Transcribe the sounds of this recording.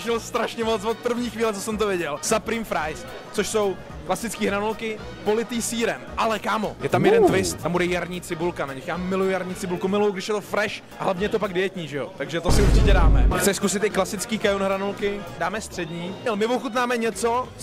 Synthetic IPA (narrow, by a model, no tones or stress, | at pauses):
ʃɛlst̪ɾaʃɲɛmot͡svot̪̚pr̩vɲiːxviːlɛt͡sosɛmt̪ovjɪɟɛlsapɾiːmfɾajsk̪t͡soʃso̞w | klasɪt͡skiːɦɾanulkɪ | po̞lɪt̪iːsiːɾɛmʔalɛkaːmo̞jɛt̪amjɛdɛnt̪vɪst̪ːambudɛjaɾɲiːt͡sɪbulkanaɲɛxjaːmɪlujʊjaɾɲiːt͡sɪbulkumɪlujʊɡdɪʃjɛt̪ofɾɛʃʔaɦlavɲɛjɛt̪o̞paɡ̚dɪjɛt̪ɲiːʒɛjo̞̰t̪aɡʒɛt̪osɪuɾt͡ʃɪcɛdaːmɛ̰xt͡sɛskusɪt̪ɪklasɪt͡skiːkajonɦɾanulkɪdaːmɛst̪r̥ɛdɲiːɲɛlmɪvoxut̪maːmɛɲɛt͡so̞